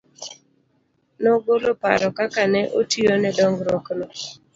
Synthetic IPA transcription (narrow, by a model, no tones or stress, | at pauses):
nɔɡolopa̰ɾɔkakanɛʔotionɛdɔŋɡɾɔknɔ